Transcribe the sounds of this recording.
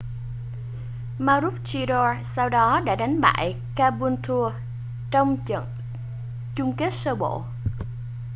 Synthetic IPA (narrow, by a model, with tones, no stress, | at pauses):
maː˧ɾu˦˥t̚t͡ɕi˧ɗɔ˧sa˧wɗɔ˨˦ɗa̰ː˧˥ɗa˨˦jŋ̟ɓa̰ː˧˨j | kaː˧ɓu˧nt̪ʰu˧ə | t͡ɕɔ˧wŋ͡mə̰˧˨ | t͡ɕʊ˧ŋ͡mke˦˥t̚səː˧ɓo̰˧˨